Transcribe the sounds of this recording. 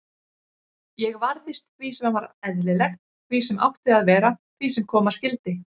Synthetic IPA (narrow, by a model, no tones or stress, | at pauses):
jɛɣvaɾðɪst̪̚visɛmanvaɾɛðlɪlɛxt̪̚ | visɛma̰wht̪ɪaðvɛːɾaθʰvisɛmkʰɔːmascɪlt̪ɪ